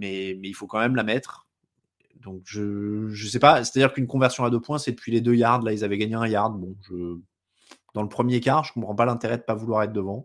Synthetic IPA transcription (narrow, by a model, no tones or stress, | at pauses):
mɛmɛilfokɑ̃mɛmlamɛt̪χ | d̪ɔ̃kʒəʒəsɛpase̥t̪ad̪iʁkynkɔ̃vɛʁsjɔ̃ad̪øpwɛ̃sɛd̪əpɥiled̪øjaʁd̪lailzavɛɡaɲeɛ̃jaʁd̪bɔ̃ʒə | d̪ɑ̃ləpχəmjekaʒəkɔ̃pχɑ̃palɛ̃t̪eʁɛd̪əpavulwaʁɛt̪χd̪əvɑ̃